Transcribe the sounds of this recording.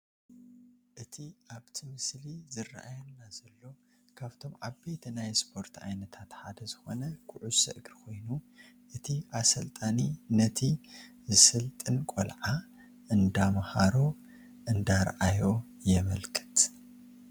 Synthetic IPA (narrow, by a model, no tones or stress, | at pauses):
ʔɨt̪ʰiʔaβt̪ʰimɨslizɨra̰ʔajɐnːazɐlːo̞ | kʰaβt̪ʰo̞mʕaβbet̪najspʰo̞ɾt̪ʰa̰jnɐt̪ʰat̪ħad̪ɐzɨxo̞nɐkʰʊʕusɨ̰ʔɨɡɾkʰo̞jnu | ʔɨt̪ʰiʔasɐlt̪ʼaninɐt̪ʰizɨsɨlt̪ʼɨnkʼo̰lʕa | ʔɨnd̪amhaɾo̞ | ʔɨnd̪aɾʔajo̞ | jɛβɐlkʼɨ̥t̪